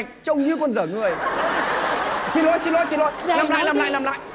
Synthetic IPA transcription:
k̚t͡ɕə˧wŋ͡mɲɨ˧˦kɔ˧nzəː˧˩ŋɨ˨˩əj | si˧nlo˧˦˥jsi˧nlo˧˦jsi˧nlo̰˧˥jlaː˧mla̰ː˧˨jnaː˧mla̰ː˧˨jna˧mla̰ː˧˨

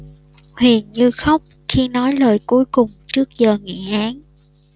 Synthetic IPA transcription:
hwḭ˨ənɲɨ˧xə˦˥wk͡p̚ | xi˧nɔ˨˦jlə̰ː˧˨˩jku˨˦əjkʊ˨˩ŋ͡mt͡ɕɨ˦˥ək̚zəː˨˩ŋḭ˧˨ʔaː˨˦n

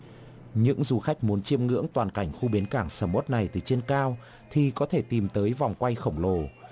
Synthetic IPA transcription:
ɲɨ̰˧˥ŋzu˧˩xa˦˥k̟̚mu˨˦ənt͡ɕi˧əmŋɨ̰˧˥əŋt̪waː˨˩nka˧˩jŋ̟xu˧ɓi˨˦nkaː˧˩ŋsəː˧˩mo˦˥t̚na˨˩jt̪ɨ˨˩t͡ɕe˧nkaː˧w | t̪ʰi˨˩kɔ˨˦t̪ʰe˧˩t̪i˨˩mt̪əː˨˦jva˨˩wŋ͡mkwa˧jxə˧˩wŋ͡mlo˧˩

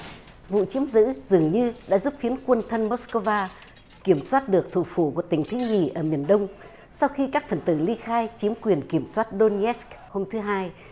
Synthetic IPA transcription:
vṵ˧˨t͡ɕi˨˦əmzɨ̰˧˥zɨ˨˩əŋɲɨ˧ɗa̰ː˧˥zu˦˥p̚fi˨˦ənkwə˧nt̪ʰə˧nmo˦˥skə˧vaː˧ | ki˧˩əmswaː˦˥t̚ɗɨ˨˩ək̚t̪ʰu˧˩fu˧˩ku˧˩ət̪ï˧˩ŋ̟t̪ʰi˨˦ŋḭ˧˩ʔəː˧˩mi˨˩ənɗə˧wŋ͡m | sa˧wxi˧kaː˦˥k̚fə˨˩nt̪ɨ˧˩li˧xaː˧jt͡ɕi˨˦əmkwi˨˩ənki˧˩əmswaː˦˥t̚ɗo˧nɛ˦˥sk | ho˧mt̪ʰɨ˨˦ɦaː˧j

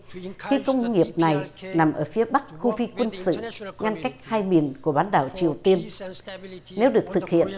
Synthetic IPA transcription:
xi˧kə˧wŋ͡mŋi˨˩əp̚na˨˩jna˨˩mʔəː˧˩fi˨˦əɓa˦˥k̚xu˧fi˧kwə˧nsɨ̰˧˨ŋa˧nka˦˥jk̟̚haː˧jmi˨˩nku˧˩əɓaː˨˦nɗaː˧˩wt͡ɕi˨˩əwt̪i˧ən | ne˨˦wɗɨ˨˩ək̚t̪ʰɨ˨˩k̚hḭ˧˨ən

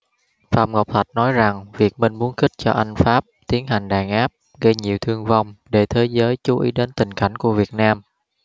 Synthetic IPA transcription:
faː˧˩mŋo˨˩k͡p̚t̪ʰwə˨˩jt̚nɔ˨˦jza˨˩ŋvi˨˩ək̚me˧nmu˨˦ənxï˦˥k̚t͡ɕɔ˧ʔa˧ŋ̟faː˦˥p̚t̪i˨˦ənɦa˨˩ŋ̟ɗaː˨˩ŋʔaː˦˥p̚ | ɣə˧jɲi˨˩əwt̪ʰɨ˧əŋva˧wŋ͡mɗe˧˩t̪ʰe˨˦jzəː˨˦jt͡ɕu˨˦ʔḭ˨˦ɗe˨˦nt̪ï˨˩ŋ̟ka˧˩jŋ̟ku˧˩əvi˨˩ət̚naː˧m

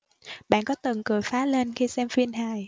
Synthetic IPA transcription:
ɓa̰ː˧˨kɔ˨˦t̪ə˨˩nkɨ˨˩əjfaː˨˦le˧nxi˧sɛ˧mfi˧nɦaː˨˩j

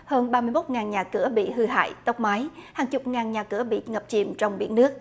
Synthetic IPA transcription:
həː˧nɓaː˧mɨ˧jmo˦˥t̚ŋaː˨˩nɲaː˨˩kɨ˧˩əɓḭ˧˨ɦɨ˧ɦa̰ː˧˨jt̪ə˦˥wk͡p̚maː˨˦jhaː˨˩ŋt͡ɕʊ˨˩k͡p̚ŋaː˨˩nɲaː˨˩kɨ˧˩əɓḭ˧˨ŋə˨˩p̚t͡ɕḭ˨˧˩mt͡ɕɔ˧wŋ͡mɓḭ˧˩ənːɨ˦˥ək̚

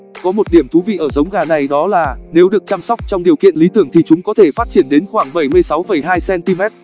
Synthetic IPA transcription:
kɔ˨˦mo˨˩t̚ɗi˧˩əmt̪ʰu˨˦vḭ˧˨ʔəː˧˩zə˨˦wŋ͡mɣaː˨˩na˨˩jɗɔ˨˦laː˨˩ne˨˦wɗɨ˨˩ək̚t͡ɕaː˧msɔ˦˥k͡p̚t͡ɕɔ˧wŋ͡mɗi˨˩əwkḭ˧ənli˨˦t̪ɨ˧˩əŋt̪ʰi˨˩t͡ɕʊ˨˦ŋ͡mkɔ˨˦t̪ʰe˧˩faː˦˥t̚t͡ɕi˧˩ənɗe˨˦nxwaː˧˩ŋɓə˧˩jmɨ˧əjsa˨˦wfə˧˩jɦaː˧jsɛ˧nt̪i˧mɛ˦˥t̚

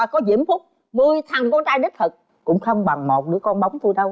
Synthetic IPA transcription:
aː˨˩kɔ˨˦zḭ˧˨əmfʊ˦˥k͡p̚ | mɨ˧əjt̪ʰa˨˩ŋkɔ˧nt͡ɕaː˧jɗi˦˥t̚fʰə˨˩k̚ | kʊ̰˧˥ŋ͡mxə˧wŋ͡mɓa˨˩ŋmo˨˩t̚ɗɨ̰˨˧˥əkɔ˧nɓə˨˦wŋ͡mt̪u˧jɗə˧w

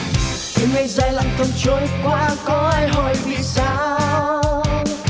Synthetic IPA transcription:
xi˨˧˦ŋə˧˩jzaː˧˩jla̰˧˨˩ŋt̪ʰə˧˩mt͡ɕo˨˦jkwaː˧kɔ˨˦ʔaː˧jɦɔ˧˩jvḭ˧˨saː˧˦w

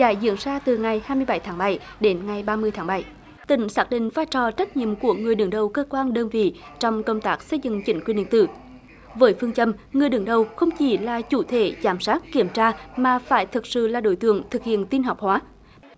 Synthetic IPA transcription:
za̰ː˧˩˦jzḭ˧˥ənzaː˧t̪ɨ˨˩ŋa˨˩jhaː˧jmɨ˧əjɓa˧˩jt̪ʰaː˨˦ŋɓa˧˩j | ɗe˨˦nŋa˨˩jɓaː˧mɨ˧əjt̪ʰaː˨˦ŋɓa˧˩j | t̪ï˧˩˦ŋ̟saː˦˥k̚ɗḭ̈˧˨ŋ̟faː˧t͡ɕɔ˨˩t͡ɕə˦˥t̚ɲḭ˧˨əmku˧˩əŋɨ˨˩əjɗɨ˨˩əŋɗə˨˩wkəː˧kwaː˧nɗəː˧nvḭ˧˨t͡ɕɔ˧wŋ͡mkə˧wŋ͡mt̪aː˦˥k̚sə˧jzɨ̰˧˨ŋt͡ɕï˧˦ŋ̟kwi˧nɗḭ˧˨ŋt̪ɨ̰˧˩ | vəː˨˦jfɨ˧əŋt͡ɕə˧mŋɨ˨˩əjɗɨ˨˩ŋɗə˨˩wxə˧wŋ͡mt͡ɕi˧˩˦laː˨˩t͡ɕu˧˩t̪ʰe˧˩zaː˧˩msaː˦˥t̚ki˧˩əmt͡ɕaː˧maː˨˩faː˧˩jt̪ʰɨ˨˩k̚sɨ̰˧˨laː˨˩ɗo̰˧˩˦jt̪ɨ̰˧˨əŋt̪ʰɨ˨˩k̚hḭ˧˨ənt̪i˧nɦa˨˩wk͡p̚hwaː˨˦

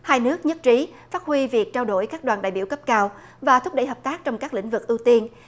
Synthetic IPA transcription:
haː˧jnɨ˦˥ək̚ɲə˦˥t̚t͡ɕi˨˦faː˦˥t̚hwi˧vi˨˩ək̚t͡ɕaː˧wɗo̰˧˩jkaː˦˥k̚ɗwaː˨˩nɗa̰ː˧˨jɓḭ˧˩əwkə˦˥p̚kaː˧w | vaː˨˩t̪ʰʊ˦˥k͡p̚ɗə̰˧˩jɦəː˨˩p̚t̪aː˦˥k̚t͡ɕɔ˧wŋ͡mkaː˦˥k̚lḭ˧˥ŋ̟vɨ˨˩k̚ʔi˧wt̪i˧ən

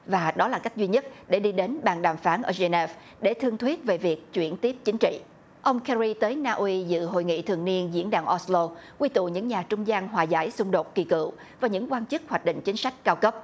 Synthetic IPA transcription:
vaː˨˩ɗɔ˨˦laː˨˩ka˦˥k̟̚zwi˧ɲə˦˥t̚ɗe˧˩ɗi˧ɗe˨˦nɓa̰ː˨˩nɗaː˨˩mfaː˨˦nʔəː˧˩ze˧nɛ˦˥f | ɗe˧˩t̪ʰɨ˧əŋt̪ʰwi˦˥ət̚ve˨˩vi˨˩ək̚t͡ɕwḭ˧˩ənt̪i˦˥əp̚t͡ɕï˨˦ŋ̟t͡ɕḭ˧˨ | ʔə˧wŋ͡mkɛ˧ɾi˧t̪əː˨˦jnaː˧ʔwi˧zɨ̰˧˨ɦo̰˧˨jŋḭ˧˨t̪ʰɨ̰˨˩əŋni˧ənzḭ˧˥ənɗaː˧˩ŋʔɔ˧˥slo˧kwi˧t̪ṵ˧˨ɲɨ̰˧˥ŋɲaː˨˩t͡ɕʊ˧ŋ͡mzaː˧nɦwaː˨˩za̰ː˧˩jsʊ˧ŋ͡mɗo˨˩t̚ki˨˩kɨ̰˧˨ | vaː˨˩ɲɨ̰˧˥ŋkwaː˧nt͡ɕɨ˦˥k̚hwaː˨˩k̚ɗḭ̈˧˨ŋ̟t͡ɕï˨˦ŋ̟sa˦˥jk̟̚kaː˧wkə˦˥p̚

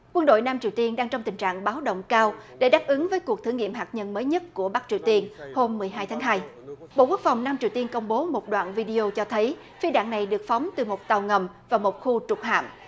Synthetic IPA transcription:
kwə˧nɗo̰˧˨jnaː˧mt͡ɕi˨˩əwt̪i˧ənɗaː˧ŋt͡ɕɔ˧wŋ͡mt̪ï˨˩ŋ̟t͡ɕa̰ː˧˨ŋɓaː˨˦wɗə̰˧˨wŋ͡mkaː˧wɗe˧˩ɗaː˦˥p̚ʔɨ˨˦ŋvəː˨˦jku˨˩k̚t̪ʰŋḭ˧˨əmɦaː˨˩k̚ɲə˧nməː˨˦jɲə˦˥t̚ku˧˩əɓa˦˥k̚t͡ɕi˨˩əwt̪i˧ənho˧mːɨ˨˩əjɦaː˧jt̪ʰaː˨˦ŋɦaː˧j | ɓo̰˧˨ku˦˥ək̚fa˨˩wŋ͡mnaː˧mt͡ɕi˨˩əwt̪i˧ənkə˧wŋ͡mɓo˨˦mo˨˩t̚ɗwa̰ː˧˨nvi˧ɗi˧o˧t͡ɕɔ˧t̪ʰə˨˦j | fi˧ɗa̰ː˧˨ŋna˨˩jɗɨ˨˩ək̚fɔ˨˦wŋ͡mt̪ɨ˨˩mo˨˩t̚t̪a˨˩wŋə˨˩m | vaː˨˩mo˨˩t̚xu˧t͡ɕʊ˨˩k͡p̚ha̰ː˧˨m

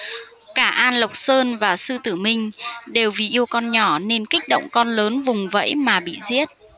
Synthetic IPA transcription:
kaː˧˩ʔaː˧nlə˨˩wk͡p̚səː˧nvaː˨˩sɨ˧t̪ɨ˧˩mï˧˩ŋ̟ɗe˨˩wvi˨˩ʔi˧əwkɔ˧nɲɔ˧˩ne˧nkï˦˥k̟̚ɗə̰˧˨wŋ͡mkɔ˧nləː˨˦nvʊ˨˩ŋ͡mvə̰˧˥jmaː˨˩ɓḭ˧˨zi˦˥ət̚

